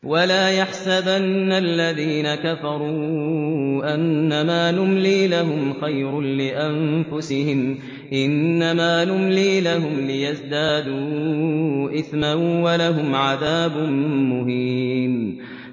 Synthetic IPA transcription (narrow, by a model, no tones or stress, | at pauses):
walaːjaħsabanːalːaðiːnakafɑɾˤuː | ʔanːamaːnʊmliːlaɦʊmxajɾʊnlɪʔamfʊsɪhɪm | ʔɪnːamaːnʊmliːlaɦʊmlɪjazd̪aːd̪uː | ʔɪθmanwalaɦʊmʕaðaːbʊnːʊhiːm